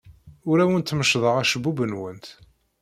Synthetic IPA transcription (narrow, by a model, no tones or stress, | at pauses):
ʊɾæwənt̪ːməʃðˤəʁæʃəbubənwənt̪